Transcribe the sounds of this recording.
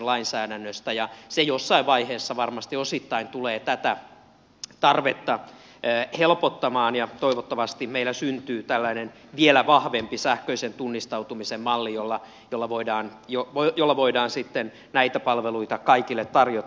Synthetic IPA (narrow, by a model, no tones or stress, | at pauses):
nlɑinsæːdænːøst̪æjɑsejosːɑiʋʋɑiheːsːɑʋɑrmɑst̪iosit̪ːɑint̪uleːt̪æt̪æ | t̪ɑrʋet̪ːɑː | helpot̪ːɑmɑːnjɑt̪oiʋot̪ːɑʋɑst̪imeilːæsynt̪yːt̪ælːænenʋielæʋɑhʋempisæhkøisent̪unːist̪ɑut̪umisemmɑlːijolːɑ | jolːɑʋoidɑːnjoʋojolːɑʋoidɑːnsit̪ːen | næit̪æpɑlʋeluit̪ɑkɑikilːet̪tɑrjo